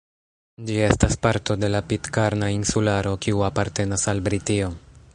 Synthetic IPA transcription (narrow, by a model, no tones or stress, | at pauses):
d͡ʒie̞staspaɾto̞de̞lapitkaɾnainsulaɾo̞kiuapaɾte̞nasalbɾitio